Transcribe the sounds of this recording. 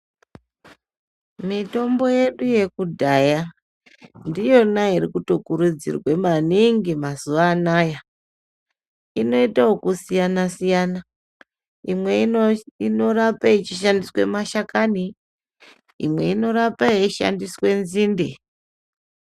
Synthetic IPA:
mito̞mbo̞je̞ɗuje̞kudʱaja | ndijo̞naiɾikutokuɾud͡zḭrwe̞maniŋɡimazuʋaːnaːja | ino̞itaokusijanasijana | imwe̞ino̞rapait͡ʃiʃandiswe̞maʃakani | ḭmwe̞̰ino̞ɾapaiʃa̰ndiswe̞nziːnde

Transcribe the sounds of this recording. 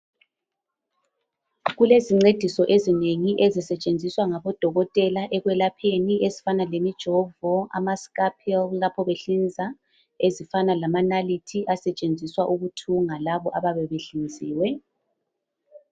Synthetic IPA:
ɣuleziŋ͡ǀed̥ʱisɔʔezineŋiʔezisɛt͡ʃʼend͡zʱiswaŋaβɔd̥ʱɔɣɔtʼɛlaʔɛɣwɛlapʰeniʔezifanalemid̥ʒ̥ʱɔvɔa̰maskʼapʰɛllapʰɔβeɬind͡zʱa | ezifanalamanalitʰiʔasɛt͡ʃʼend͡zʱiswaʔuɣutʰuŋalaβɔʔaβaβɛβeɬind͡zʱiːwɛ

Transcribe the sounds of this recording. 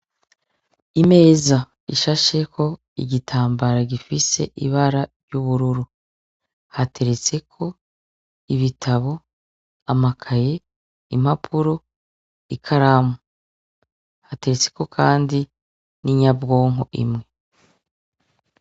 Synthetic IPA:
ime̞ːza | iʃaʃe̞kʰo̞ | ḭɟitʰaːmbaɾaɟifise̞̰ʔiβaɾaɾɟuβuɾuɾu | hate̞ɾet͡se̞kʰo̞ | iβitʰaβo̞ | amakʰaje̞ | im̥apʰuɾo̞ | ikʰaɾamu | hate̞ɾet͡se̞̥ko̞kʰaːndi | niɲabɡo̞ːŋɦo̰ʔḭmŋe̞

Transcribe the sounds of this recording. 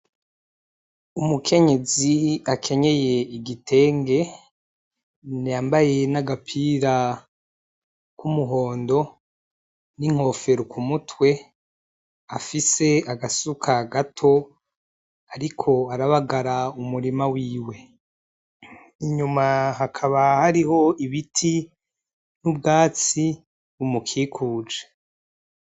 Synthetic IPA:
umukʰe̞ɲe̞ziakʰe̞ɲe̞je̞iɡitʰe̞ːŋɡe̞ | nijaːmbaje̞naɡapʰiːɾa | kumuɦo̞ːndo̞ | niŋ̥ho̞fe̞ɾukumutwe̞ | afise̞aɡasukʰaɡatʰo̞ | aɾikʰo̞aɾaβaɡaɾaumuɾimawiːwe̞ | iɲumaɦakʰaβahaɾiho̞iβitʰi | nubɡaːt͡si | βumukʰikʰuːd͡ʒe

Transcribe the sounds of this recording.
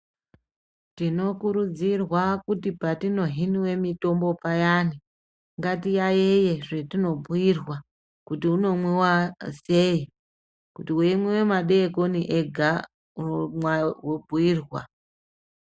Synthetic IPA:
tino̞kuɾud͡zirwakutipatino̞ɦiniwe̞mito̞mbo̞pajani | ŋɡatijajeje̞ʐe̞tino̞buirwa | kutiuno̞mwiwasei | kutiwemwewe̞maɗeko̞niʔeɡʱa | uomwawobʱuiːrwa̰

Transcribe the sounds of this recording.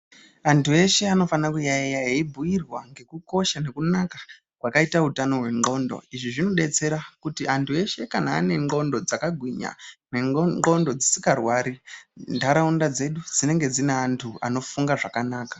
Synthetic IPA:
antue̞ʃe̞ano̞fanakujaijaɦeibʱujirwaŋɡe̞kuko̞ʃane̞kunakḁ | kwakaitautano̞ɦwe̞ŋ͡ǃo̞ːndo̰iʐiʐino̞ɗe̞t͡se̞ɾakutiantʰue̞ʃe̞kana̰ːne̞ŋ͡ǃɡo̞ndo̞d͡zakaɡʱwiɲa̰neɡo̞ndo̞d͡zisikarwaːɾindʱaɾaundad͡ze̞ɗud͡zine̞ŋɡe̞d͡zineantʰua̰no̞fuŋɡaʐakanaːkḁ

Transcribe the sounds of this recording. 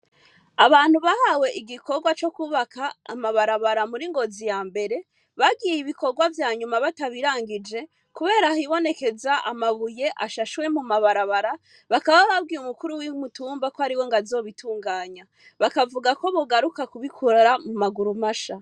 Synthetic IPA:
aβaːn̥huβahawe̞ʔiɡiko̞ɾɡwat͡ʃo̞kuβaka̰ːmaβaɾaβaɾamuɾiŋɡo̞zijaːmbe̞ɾe̞ | βaɡijiβiko̞ɾɡwavjaːɲumaβataβiɾaːŋɡid͡ʒe̞ | kuβe̞ːɾahiβo̞ne̞ke̞zaa̰maβuje̞ʔaʃaʃwe̞mumaβaɾaβaɾa | βakaβaβab̚ɡiːumukuɾuwimutuːmbakohaɾiwo̞ŋɡazo̞ːβitʰuːŋɡaːɲa | βakavuɡako̞βoɡaɾukakuβikʰuɾaɾamumaɡuɾumaʃa

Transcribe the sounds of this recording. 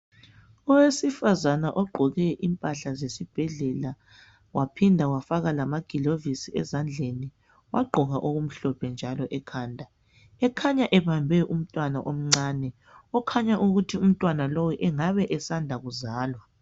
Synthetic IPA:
ɔwesifazanaʔɔɡ͡ǃʱɔɣɛʔimpʼaɬazesib̥ʱɛɮɛla | wʔapʰindʱawafaɣalamaɡ̥ʱilovisiɛzand͡ɮʱeni | wa̰ɡ͡ǃʱɔɣaʔoɣum̩ɬɔpʰɛnd͡ʒʱalɔʔɛkʰaːndʱa | ɛkʰaɲaʔɛβambʱɛʔum̩tʼwanaʔom̩ŋ͡ǀanɛ | ɔkʰaɲaʔuɣutʰium̩tʼwanalowɛʔɛŋaβɛʔɛsandʱaɣuzaːlwa

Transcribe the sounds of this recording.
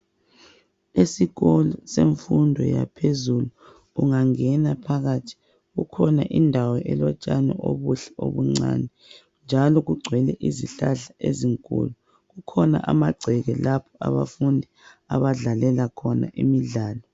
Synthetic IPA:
esiɣɔlɔseɱfundʱɔja̰pʰezuluː | ŋaŋɛnapʰaɣatʰi̥ | ɣukʰɔnaʔindʱawɔʔɛlɔt͡ʃʼanɛʔoβuɬɛo̰βuŋ͡ǀa̰nɛ | nd͡ʒʱalɔɣuɡ͡ǀʱwɛlɛʔiziɬaɬaʔeziŋkʼṵːlu | ɣukʰɔna̰ʔamaɡ͡ǀʱɛɣɛlapʰɔʔa̰βa̰fundʱi | aβaɮalɛlakʰɔna̰ʔimiɮaːlɔ

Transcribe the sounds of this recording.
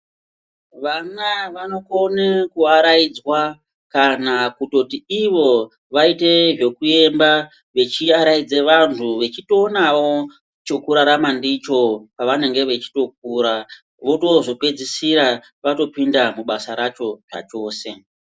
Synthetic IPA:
ʋanaʋano̞konekuaɾaid͡zwa | kanakuto̞tiiʋo̞ | ʋaite̞ʐe̞kue̞mba | ʋe̞t͡ʃiaɾaid͡zeʋantʰuʋe̞t͡ʃito̞ːnawo̞ | t͡ʃo̞kuɾaɾamandit͡ʃo̞paʋane̞ŋɡe̞ʋe̞t͡ʃi̥to̞k̚uːɾa | ʋo̞to̞zo̞pe̞d͡zisiɾa | ʋato̞pindamuɓasaɾat͡ʃo̞ʐa̰t͡ʃo̞ːse̞

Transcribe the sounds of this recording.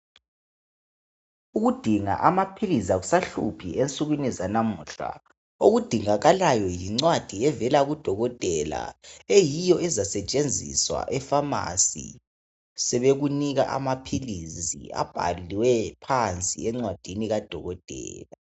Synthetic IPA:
uɣud̥ʱiŋa̰ʔamapʰilizaɣusaɬṵpʰient͡sʼuɣwinizanamuɬa̰ | oɣud̥ʱiŋaɣalajɔjiŋ͡ǀwad̥ʱiɛvɛlaɣud̥ʱɔɣɔtʼɛla̰ejijɔɛzasɛt͡ʃʼend͡zʱḭswa̰ʔɛfama̰sḭ | sɛβeɣuniɣa̰ʔa̰mapʰilizḭa̰b̥ʱa̰liwɛpʰant͡sʼiɛŋ͡ǀwad̥ʱiniɣad̥ʱɔɣɔtʼɛ̰ːla

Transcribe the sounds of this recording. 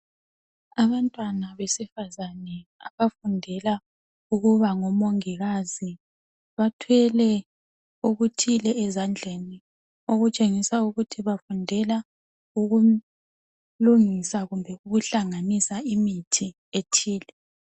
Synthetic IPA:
aβantʼwanaβesifazanɛaβafundʱɛla | uɣuβaŋɔmoŋiɣazi | βatʰwɛlɛ | uɣutʰilɛːzand͡ɮʱeni | oɣut͡ʃʼeŋisauɣutʰiβafundʱɛla | uɣu | luŋisaɣumbʱɛuɣuɬaŋanisaimitʰi | etʰiːlɛ

